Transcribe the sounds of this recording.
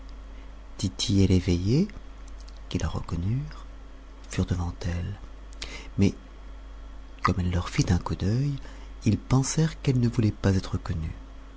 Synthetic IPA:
t̪it̪ʰieleveje | kʲilaʁə̰kɔnyʁ | fyʁd̪əvɑ̃t̪ɛl | mɛ | kɔmɛlːœʁfit̪ɛ̃kud̪œj | ilpɑ̃sɛʁkɛlnəvulɛpazɛt̪χəkɔny

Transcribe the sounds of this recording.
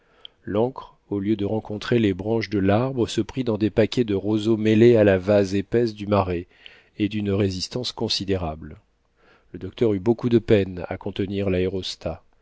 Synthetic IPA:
lɑ̃kχ | oljød̪əʁɑ̃kɔ̃t̪χelebʁɑ̃ʃd̪əlaʁbʁəsəpχid̪ɑ̃d̪epakʲɛd̪əʁozomelealavazepɛsd̪ymaʁe | ed̪ynʁezist̪ɑ̃skɔ̃sid̪eʁabl | ləd̪ɔk̚t̪œʁybokud̪əpɛna̰kɔ̃t̪əniʁlaeʁɔst̪a

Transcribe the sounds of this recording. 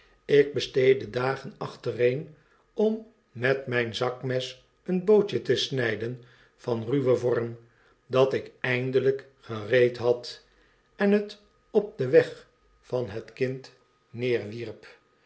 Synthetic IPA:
ɪɡ̚bəstejdədaːχənɑχtərejn | ɔmː | ɛtmɛjnzɑkmɛs | ənbowt͡ʃətəsnɛjdən | fɑnryʋəvɔɹm | dɑtɪkɛjndələk | χərejtɦɑt | ɛnət | ɔp̚dəʋɛχ | fɑnɦətkɪnt | nɪːɹʋirp

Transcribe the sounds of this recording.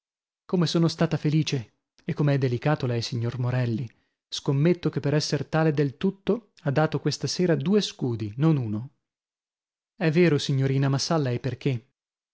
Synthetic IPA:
komesoːnost̪aːt̪afeliːt͡ʃe | ekːomeɛd̪ːelikaːt̪olɛjsiɲːormoɾɛlːi | skomːet̪ːokepːeɾɛsːert̪aːled̪elt̪ut̪ːo | ad̪ːaːt̪okwest̪aseːɾad̪uːeskuːd̪inonuːno | ɛvːeːɾosiɲːoɾiːnamasːalːaeperk̟ʰe

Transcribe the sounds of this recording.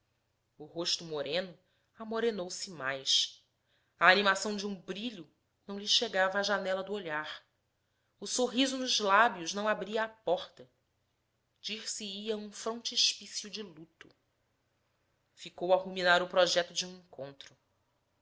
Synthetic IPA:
ʊɦoʃt̪ʊmoɾẽnʊ | amoɾenowsɪmajʃ | ɐːnimasɐ̃w̃d͡ʒɪũbɾiʎʊ | nɐ̃w̃ʎɪʃeɡavɐːʒanɛlɐd̪ʊoʎaɾ | ʊsoɦizʊnʊzlabjʊʒnɐ̃w̃abɾiɐːpɔχt̪ɐ | d͡ʒiɾsiiɐũfɾõnt͡ʃɪʃpisjud͡ʒɪlut̪ʊ | fikowɐhuminaɾʊpɾɔʒɛt̪ʊd͡ʒɪũẽŋkõnt̪ɾʊ

